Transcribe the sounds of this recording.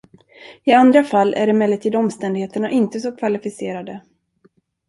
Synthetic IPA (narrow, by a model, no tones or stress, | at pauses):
ɪand̪ɾafalːʔæ̰ɖɛmɛlːət̪ʰiːd̪ɔmst̪ɛnd̪ɡheːt̪əɳaʔɪnt̪əsɔkʰvalɪfɪseːɾad̪ə